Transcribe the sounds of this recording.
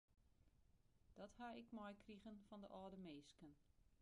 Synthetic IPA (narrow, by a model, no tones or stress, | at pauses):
d̥ɔthaɪkmɔjkriɣənfɔndə̰ʔɔːdəmeːskən